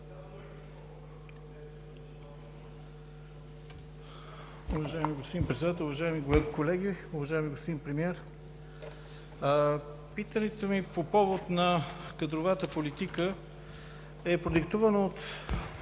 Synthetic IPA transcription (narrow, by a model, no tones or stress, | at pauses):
ʊvɐʒaɛmiɡost̪pod̪inpɾɛt̪sɛd̪at̪ɛlˠʊvɐʒaɛmiɡkolɛɡ̟iʊvɐʒaɛmiɡospod̪inpɾɛmiɛɾ | pit̪ənɛt̪omipopɔvot̪nɐkəd̪ɾovat̪əpolit̪ikə | ɛpɾod̪ikt̪uvənəot̪